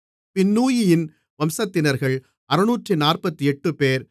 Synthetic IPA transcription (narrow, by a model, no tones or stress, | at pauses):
pɪnːuːjɪjɪn | ʋɐmsɐt̪ːɪnɐɾɣɐɭ | ɐɾɯnuːʈrinaːrpɐt̪ːiɛʈːɯpeːɾ